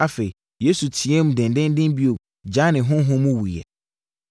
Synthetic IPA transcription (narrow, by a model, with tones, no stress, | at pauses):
a˦fe˨i˨ | je˦su˨tʰi˨ɛ˦mũ˦dɪ̃˨ndɪ̃˦n˦dɪ̃˦nbi˦o˨ | d͡ʑã˦nɪ̃˨ɦʊ̃˦ɦʊ̃˦mũ˦wu˨jɛ̰˨